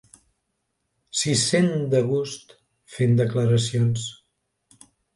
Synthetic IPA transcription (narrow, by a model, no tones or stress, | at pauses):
sisend̪əɣust̪ | fend̪əkləɾəsions